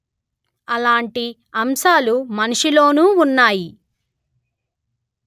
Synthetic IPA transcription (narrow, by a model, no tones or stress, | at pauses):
ɐlaːɳʈi | ɐmʃaːlumɐnuʂilo̞ːnuːunːaːji